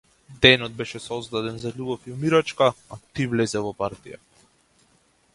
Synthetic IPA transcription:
d̪ɛnɔd̪̚bɛʃɛsɔzd̪ad̪ɛnzalʲubɔfiumiɾat͡ʃkaat̪ivlɛzɛvɔpaɾt̪ija̰

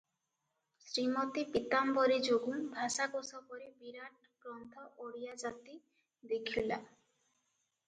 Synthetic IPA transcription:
sɾimɔt̪ipit̪ambɔɾid͡ʒoɡunbʱasakosɔpɔɾibiɾaʈ̚ | ɡɾɔnt̪ʰɔʔoɽijad͡ʒat̪i | d̪ekʰila

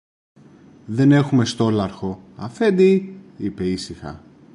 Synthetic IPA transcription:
ðe̞ne̞xume̞st̪o̞lɐɾxo̞ɐ̰fe̞nd̪iipe̞isixɐ̰

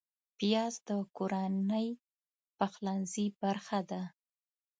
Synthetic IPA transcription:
pijɑzd̪əkoɾanəj | paxlanzibaɾxad̪a

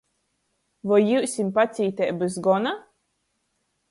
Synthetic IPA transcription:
vɔjiwsʲimpat̪sʲiːt̪ʲɛjbɨzɡɔna

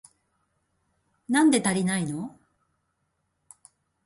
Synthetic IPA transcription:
nãnd̪e̞t̪aɾʲinaino̞

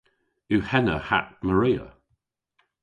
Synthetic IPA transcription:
uhɛnəha̰ʔ̚məɹiːə̰

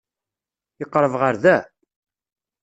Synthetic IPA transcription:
əqːɾˤəvʁəɾðæ

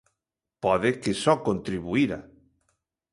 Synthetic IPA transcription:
pɔðekesɔkont̪ɾiβuiɾa

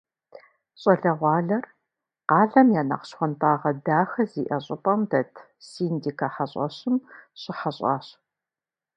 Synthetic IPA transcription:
ɕʼɐɮɐʁʷɑːɮɐr | qɑːɮɐmjaːnɐ̰qɕxʷɔntʰaːʁɐdaːxɐziːʔɐɕʼɪpʼɐmdɐtʰ | siːndiːkʰɐħaɕʼɐ̰ɕɪmɕʼɪħaɕʼɑ̰ːɕ

